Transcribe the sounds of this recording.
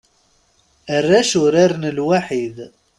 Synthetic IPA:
ərːaʃʊɾaɾnəlwaħid̪

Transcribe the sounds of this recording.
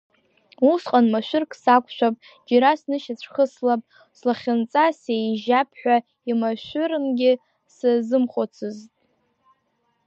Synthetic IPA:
usqʼanmaʃʷᶣʊrkʰsakʷʰʼʃʷᶣapʼ | d͡ʒaɾasnɨʃat͡ɕʷʰχəslapʼ | slaχʲant͡sʼasejʒapʰħʷᶣa | imaʃʷʏɾɨnɡʲɪ | sazɨmχʷot͡sʰɨztʼ

